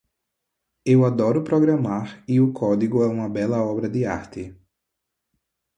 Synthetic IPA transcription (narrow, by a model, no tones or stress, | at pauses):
ewad̪ɔɾʊpɾoɡɾɐmaɾɪʊkʰɔd̪iɡʊɛũmɐbɛlɐɔbɾɐd̪ɪa̰ɾt̪ɪ